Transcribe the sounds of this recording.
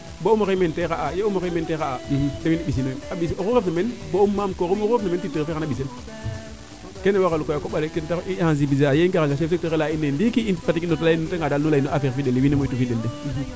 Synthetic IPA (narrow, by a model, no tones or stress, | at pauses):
boumokementekaʔajeumokementekaadewiniɓis̬inoeaɓisoɣuɣefnamenboumːamkokuuefnamenpitːiɣfeanaɓisel | kenewakalukojakoɓalekentaihas̬ibizaajeikekaŋɡasefs̚tokelainːendikiinpatikinotainteŋɡaalnulainoafekfideldewinemotufidelde